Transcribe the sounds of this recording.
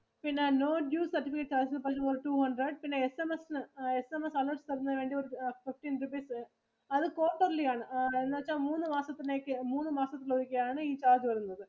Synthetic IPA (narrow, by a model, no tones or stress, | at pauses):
pinːenoːʈjuːssɐrʈːifikːeʈːt͡ʃaːðt͡ɕɐnːɨpɐt͡ɕːɐmɐɾʈuːhɐɳɖɾɐɖ̚pinːeːesemesnɨesemɐsɐloːʈst̪ɐɾɐnːɐʋeːɳɖioɾufɪfʈːinɾupeːs | ɐðɨkoːʈːɐɾlijaːɳɨenːɐɐt͡ɕːaːmuːnːɯmaːsɐt̪ːineːkːɨmuːnːɯmaːsɐt̪ːɪloʋikʲːɐjaːɳɨiːt͡ɕaːd͡ʒiʋɐɾunːɐðɨ